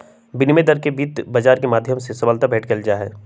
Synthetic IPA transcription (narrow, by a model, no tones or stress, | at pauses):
bɪnimed̪əɾkebiːt̪bɐd͡ʒaːɾkemaːd̪ʱjəmsesɐbəlt̪abɛːʈkeld͡ʒaːɦɛː